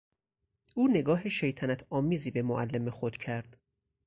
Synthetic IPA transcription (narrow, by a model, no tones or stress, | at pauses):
ʔuːne̞ɡɒːɦeʃejt̪ʰænæt̪ʰɒːmiːziːbe̞moʔælːemexod̪̥cʰæɾd̪̥